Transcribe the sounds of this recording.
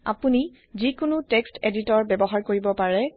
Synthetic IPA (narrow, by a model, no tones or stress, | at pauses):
a̰puni | zikʊnuteksteditɔɹbɛbɔɦaɹkoɹibɔpaɹɛ